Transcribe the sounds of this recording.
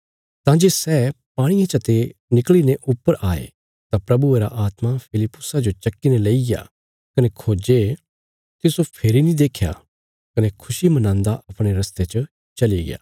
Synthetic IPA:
t̪ãːd͡ʒeːsɛːpaːɽ̃ijãt͡ʃɐt̪enɪkɭineʔʊpːəɾʔaːḛ | t̪ãpɾɐbueɾa̰ʔaːt̪mapʰɪlɪpːʊsad͡ʒot͡ʃɐkːineleija̰ | kɐnekʰoːd͡ʒe | t̪ɪsopʰeːɾinĩd̪eːkʰja̰ | kɐnekʰʊʃimɐnãːnd̪aʔɐpɽ̃eɾɐst̪et͡ʃə | t͡ʃɐliɡɪ̰ja̰ː

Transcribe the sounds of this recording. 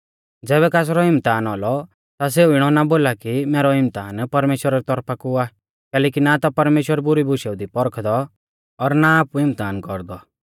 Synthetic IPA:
d͡zɛːβɛkaːs̬ɾɔɦɪmt̪aːnɔlɔ | t̪as̬euɪɽ̃ɔnaboːlakimɛːɾɔɦɪmt̪aːnpɐɾmeːʃwəɾaɾit̪ɔɾpʰakua | kɛːlɛːkinat̪ɔpɐɾmeːʃwəɾbʊɾibʊʃɛʊd̪ipɔɾkʰd̪ɔ | ɔɾnaaːpuɪmt̪aːnkɔɾd̪ɔ

